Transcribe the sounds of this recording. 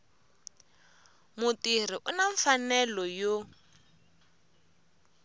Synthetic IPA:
mʊtir̤iʔʊnaɱfanɛlɔjo

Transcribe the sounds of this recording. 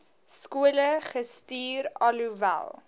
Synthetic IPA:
skuələχəstiːɾɐluvæ̰lˠ

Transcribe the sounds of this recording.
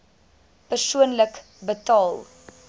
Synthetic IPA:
pərsuənlək | bətɑːlˠ

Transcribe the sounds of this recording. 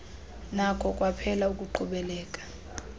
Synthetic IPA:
nakʰɔkʼwapʰɛlaukʼuǃʰuɓɛlɛːkʼḁ

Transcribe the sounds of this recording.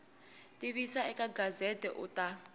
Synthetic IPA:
tʼiɓisaɛkʼaɡazɛdʱʼɛ̰ʔutʼa

